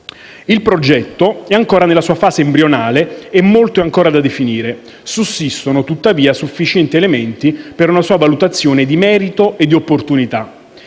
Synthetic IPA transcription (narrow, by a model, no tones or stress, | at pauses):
ilpɾod͡ʒɛt̪ːoɛaŋkoːɾanelasuːafaːseːmbɾionaːleːmːolt̪oaŋkoːɾad̪ad̪efiniːɾe | susːist̪onot̪ut̪ːaviːasufːit͡ʃɛnt̪ielement̪ipeɾunasuːavalut̪at̪sːjoːned̪imɛːɾit̪oʔed̪ːiopːort̪unit̪a